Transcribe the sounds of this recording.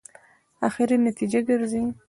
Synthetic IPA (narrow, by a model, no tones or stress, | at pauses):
axɪɾinat̪id͡ʒaɡəɾzi